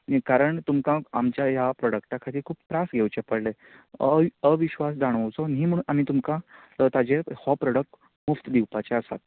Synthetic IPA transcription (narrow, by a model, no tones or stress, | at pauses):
nĩkaɾəɳt̪umkãamt͡ɕjajapɾɔɽəkʈakʰat̪iːkʰuːppɾasɡʱewt͡ɕepəɽle | əʋiɕʋas̬d͡zaɽ̃əwt͡sɔnɦiːm̤əɽuːnam̤iːt̪umkã | t̪ad͡ʑehɔpɾɔɽək̚ʈ | muft̪d̪iwpat͡ɕeəsat̪̚